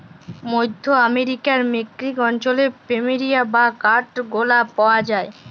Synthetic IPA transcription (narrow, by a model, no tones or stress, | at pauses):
mojd̪ʱːoameɾikaɾmekɾikɔnt͡ɕolepɾemiɾijabakaɾʈɡolapaoad͡ʑae